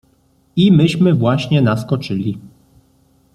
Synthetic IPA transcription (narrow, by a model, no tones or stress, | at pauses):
imɘɕmɘvwaɕɲɛnaskɔt͡ʂɘlʲi